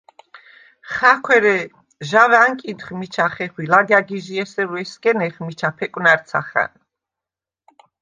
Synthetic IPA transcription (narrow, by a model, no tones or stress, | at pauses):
χakʰwɛɾɛ | ʒavaŋkʼint̪χmit͡ʃʰaχɛχwilaɡaɡiʒiɛsɛɾuɛskʼɛnɛχmit͡ʃʰapʰɛkʼwnaɾt̪sʰa̰χa̰n